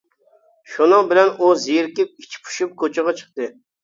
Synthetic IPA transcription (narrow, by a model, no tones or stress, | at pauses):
ʃunɨŋbɪlɛnuzijiɾkʲip̚i̥t͡ʃʰi̥pʰu̥ʃup̚kʰot͡ʃʰɪʁɑt͡ʃʰə̥χ̚t̪ɨ